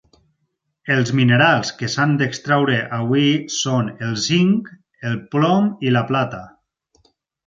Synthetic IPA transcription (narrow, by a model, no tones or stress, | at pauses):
elˠzmineɾalˠskesand̪ekst̪ɾawɾeʔaβwisonelˠsiŋk | elˠplɔmilaplat̪a